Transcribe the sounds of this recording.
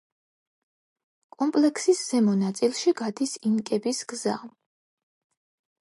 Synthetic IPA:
kʼɔmpʼlɛkʰsisz̥ɛmɔnat̪sʼilˠʃiɡad̪isinkʼɛbisɡza

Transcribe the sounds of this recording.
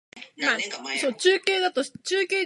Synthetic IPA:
hasoːt͡ɕɨːkʲeːd̪at̪oɕt͡ɕɨːkʲeː

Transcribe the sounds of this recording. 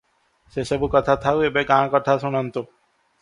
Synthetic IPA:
sesebukɔt̪ʰat̪ʰawebekãːkɔt̪ʰasuɽ̃ant̪o

